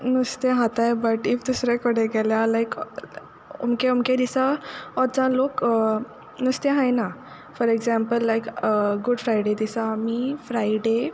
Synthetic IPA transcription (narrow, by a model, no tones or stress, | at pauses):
nəst̪eɦat̪ajbəʈift̪usɾekəɽeɡɛljalajk | o̰mkeumked̪isaɔɾt͡sãlok | nəst̪eɦãjna | fɔɾeɡzãmpəlːajkɡuɖfɾajɖed̪isamifɾajɖe